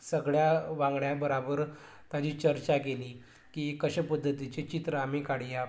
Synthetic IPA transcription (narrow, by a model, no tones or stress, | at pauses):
səɡɭjaʋãŋɡɳjabəɾabəɾ | t̪jat͡ɕiːt͡ɕəɾt͡ɕakeliː | kiːkəɕəpəd̪ʱːət̪it͡ɕet͡ɕit̪ɾəːmikaɽija